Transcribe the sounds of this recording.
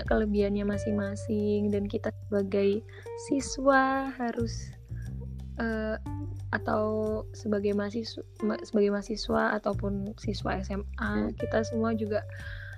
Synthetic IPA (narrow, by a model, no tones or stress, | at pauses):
ʔkələbianɲamasɪŋmasɪŋdankit̪asəbaɡaj | siswaɦaɾʊs | ʔə | at̪awsəbaɡajmasimsəbaɡajmasiswaa̰t̪awpʊnsiswa̰ɛsɛmakit̪asəmuad͡ʒuɡaʔ